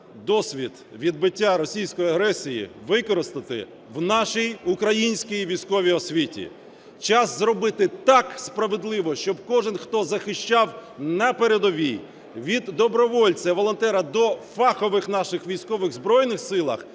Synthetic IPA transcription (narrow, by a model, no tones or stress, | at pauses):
d̪ɔsʲʋʲid̪ʋʲid̪̚bɪtʲːaɾɔsʲijsʲkɔjɐɦɾɛsʲijḭʋɪkɔɾɪst̪ɐt̪ɪ̰ | wnɑʃijukɾɐjinʲsʲkʲijʋʲijsʲkɔʋʲiɔsʲʋʲitʲḭ | t͡ʃɑszɾɔbɪt̪ɪt̪ɑkspɾɐʋɪd̪lˠɪʋɔʃt͡ʃɔbkɔʒɪnxt̪ɔzɐxɪʃt͡ʃɑwnɐpeɾed̪ɔʋʲij | ʋʲid̪ːɔbɾɔʋɔlʲt͡sʲɐʋɔlˠɔnt̪ɛɾɐd̪ɔfɑxɔʋɪxnɑʃɪxʋʲijsʲkɔʋɪɣzbɾɔjnɪxsɪlˠɐ̰x